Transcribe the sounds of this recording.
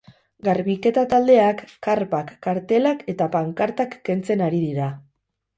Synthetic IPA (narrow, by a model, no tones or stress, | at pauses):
ɡaɾβike̞t̪at̪ald̪e̞akːaɾpakːaɾt̪e̞lake̞t̪apaŋkaɾt̪akːe̞nt͡se̞naɾiðiɾa